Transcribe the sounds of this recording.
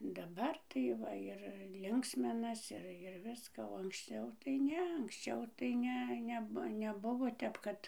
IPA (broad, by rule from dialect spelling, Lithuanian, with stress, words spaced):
dɐˈbɐr tɐɪ ˈʋɐ ɪr ˈlʲɪŋksʲmʲɪnɐs ɪr ɪr ˈʋʲɪskɑː oː ɐŋksʲˈt͡ʃʲɛʊ tɐɪ ˈnʲɛ ɐŋksʲˈt͡ʃʲɛʊ tɐɪ ˈnʲɛ ˈnʲɛp nʲɛˈbʊʋoː ˈtʲɛp kɐt